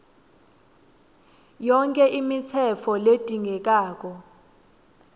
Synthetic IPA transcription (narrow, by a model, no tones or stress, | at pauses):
jɔŋkʼɛʔimit͡sʰɛfʰɔled̥ʼʱiŋʱɛk̬ʼaːk̬ʼɔ